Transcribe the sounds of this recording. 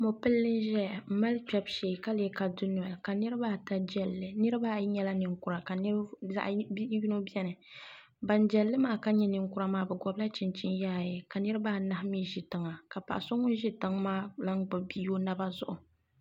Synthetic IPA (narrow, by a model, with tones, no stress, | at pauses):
mʊ˨pɨ˦lːɨ˦nʒɛ˦a˨m̩˦ma˦lk͡pʲɛ˦˨bʃeː˨ka˦lɛ˦ka˨dʊ˦nʊ˨a˨ka˨nɨ˦ɾɨ˦baː˦ta˦d͡ʒɛ˦˨lːɨ˨nɨ˦ɾɨ˦ba˦˨˦ɲɛ˦la˦nɨ˨ŋkʊ˨ɾa˨ka˨n˦za̰˦ʔji˦no˦bɛ˦nɨ˨ | ba˨nd͡ʒɛ˨lːɨ˦maː˦ka˦ɲɛ˦nɨ˨ŋkʊ˦ɾa˦maː˦bɛ˨ɡɔ˦bla˦t͡ʃɪ˨nt͡ʃɪ˦nja˦˨jɛ˨ka˨nɨ˦ɾɨ˦baː˦˨na˨hmiː˦ʒɪ˨tɨ˨ŋa˨ka˨pa̰˨ʔa˨so˦ŋʊ˦n˦ʒi˦tɨ˦ŋmaː˦la˦ŋɡ͡bɨ˨bi˦jo˦na˦ba˦zʊ˦ʔʊ˨